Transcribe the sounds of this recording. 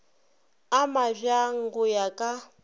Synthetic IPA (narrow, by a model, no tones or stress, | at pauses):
amaʒaŋ̩ɡʊjakʼa